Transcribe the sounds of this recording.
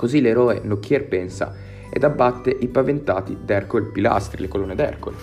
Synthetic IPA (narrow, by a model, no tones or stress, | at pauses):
kozileɾɔːenokːjɛrpɛnsa̰ | ḛd̪abːat̪ːeʔipavent̪aːt̪id̪ɛrkolpila̰st̪ɾḭlekolonːed̪ɛ̰rko̰e